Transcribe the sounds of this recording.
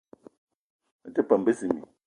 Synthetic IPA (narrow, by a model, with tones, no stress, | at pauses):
tɛ˦pa˨m̩˨be˦si˨mḭ˨